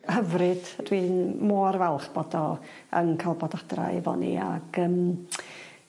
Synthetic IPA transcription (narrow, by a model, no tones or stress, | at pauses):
həvrɨd̥d̥winmoːrvɛlˠχb̥oːdɔ | ənkʰalˠbɔdadra̰jvɔ̰nḭa̰ɡ̥əːm